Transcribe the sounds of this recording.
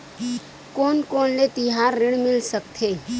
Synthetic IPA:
koːnkoːnlet̪ɪɦaːɾːɪɽ̃mɪlsək̚t̪ʰeː

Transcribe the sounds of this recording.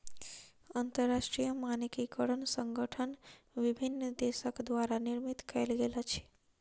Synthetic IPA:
ant̪əɾːaʃʈɾijəmanikikəɽənsə̃ŋɡəʈʰən | ʋibʱinːd̪esəkd̪ʋaɾaniɾmit̪kəjlɡelat͡ʃʰɛ̥

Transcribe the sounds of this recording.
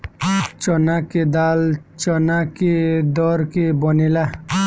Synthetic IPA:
t͡ʃɔnaked̪aːlt͡ʃɔnaked̪ɔɾkebɔnila

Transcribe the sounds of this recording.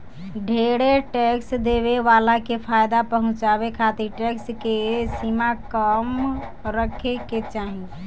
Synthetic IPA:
ɖʱeɽeʈeksd̪eβeʋalakepʰajd̪apəɦʊ̃t͡ʃabekʰat̪iɾʈekskesimakəm | ɾəkʰeket͡ʃaɦi

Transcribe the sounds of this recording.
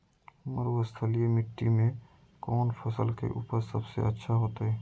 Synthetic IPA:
mə̰ɾwəst̪ʰəlijemɪʈːimẽ | kɔːnpʰɐsəlkḛʔṵːpəɾsɐ̰bsḛɐtːʃʰaɦoːt̪aɦɛː

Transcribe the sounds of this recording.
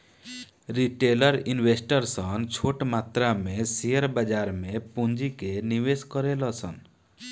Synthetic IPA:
ɾiʈeləɾinwesʈəɾsʌnt͡ʃʰoʈmat̪ɾamesijəɾbəd͡ʒaɾmẽpund͡ʒikeniweskɔɾelɔsʰən

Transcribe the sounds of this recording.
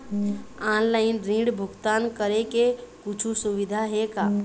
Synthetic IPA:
ãnlaɪnɾĩɖbʱuɡt̪ankəɾekekut͡ʃʰusuʋid̪ʱaɦeka

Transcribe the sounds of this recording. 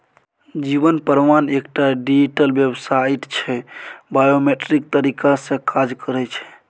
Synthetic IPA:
d͡ʒibənpəɾmanekʈaɖid͡ʒiʈəlbjebsaiʈt͡ʃʰɛbajomeʈɾik̚t̪əɾikasẽkʰad͡ʒkəɾɛt͡ʃʰɛ̥

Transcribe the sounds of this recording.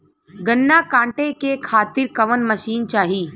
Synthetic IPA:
ɡənːaːkãːɳʈekekʰaːt̪ɪɾkɐʋənməʃiːnt͡ʃaːɦiː

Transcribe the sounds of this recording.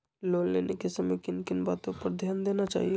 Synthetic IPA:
loːlleːnʔekesɐmekɪnkɪnbaːt̪õpɐɾd̪ʱjaːnd̪eːnat͡ʃa̰ːɦie

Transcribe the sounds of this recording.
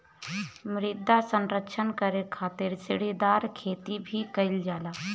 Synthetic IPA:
mɾɪd̪ʱːasə̃nɾəkʃʰənkəɾekʰaːt̪ɪɾsɪɽed̪aːɾkʰeːt̪ibʱikəɪld͡ʒaːlaː

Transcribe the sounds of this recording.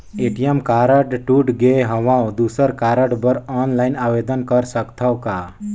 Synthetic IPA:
eʈijemkaɾəʈʈuʈɡeɦəʋãw̃d̪usəɾkaɾəɖbəɾɔnlajnaʋed̪ənkəɾsəkt̪ʰawka

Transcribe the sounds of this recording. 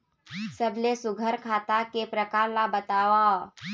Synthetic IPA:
səblesʊɡʱəɾkʰaːt̪akepɾəkaːɾlabət̪aːʋa

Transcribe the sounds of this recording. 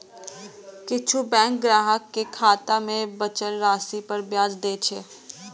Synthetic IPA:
kɪt͡ʃʰubɛ̃ːŋk̚ɡɾaːɦəkːekʰaːt̪amẽbɐt͡ʃəlɾaːsipɐɾbjaːd͡ʒd̪eːt͡ʃʰeː

